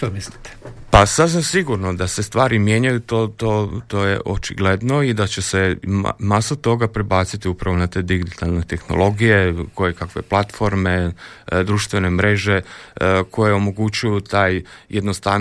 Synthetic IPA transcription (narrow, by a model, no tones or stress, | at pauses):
ʃt̪omislit̪e̥pasazasiɡuɾnod̪ase̞st̪ʋaːɾimje̞ːɲajut̪oːt̪oːt̪oːjḛʔot͡ʃḭɡle̞d̪no̞id̪at͡ɕesḛmasot̪o̞ɡapɾebaːt̪sit̪iupɾaʋo̞nat̪e̞ːd̪iɡit̪alnet̪e̞xno̰lˠo̞ɡijeko̞jekakʋe̞plat̪fo̞ɾme̞d̪ɾuːʃt̪ʋe̞ne̞mɾe̞ʒe̞ko̞jeo̞mo̞ɡut͡ɕujut̪aːjjed̪nost̪a